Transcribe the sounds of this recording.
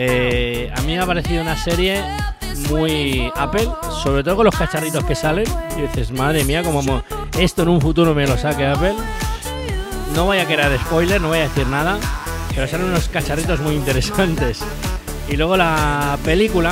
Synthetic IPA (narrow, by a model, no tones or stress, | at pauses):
ea̰mĩmeapaɾe̞θiðounase̞ɾje̞ | mujape̞l | so̞β̞ɾet̪ookonlo̞skat͡ʃarit̪o̞ske̞sale̞niðiθe̞smaðɾe̞miako̞momo | e̞st̪oenũɱfut̪uɾome̞lo̞sake̞ape̞l | no̞βajakeɾaɾe̞spo̞jle̞ɾno̞βajaðe̞θiɾnað̞ape̞ɾo̞salenuno̞skat͡ʃarit̪o̞zmujint̪e̞ɾe̞sant̪e̞s | ilwe̞ɣ̞o̞lape̞likula